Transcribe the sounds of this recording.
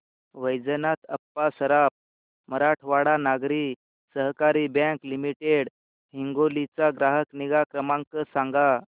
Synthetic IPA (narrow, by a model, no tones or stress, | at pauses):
ʋəjd͡zənat̪əpːasəɾap̚ | məɾaʈʰʋaɽanaɡɾiː | səɦkaɾibɛ̃ŋklimiʈeɽ | ɦiŋɡolit͡saɡɾaɦəkniɡakɾəmãŋkəsãŋɡa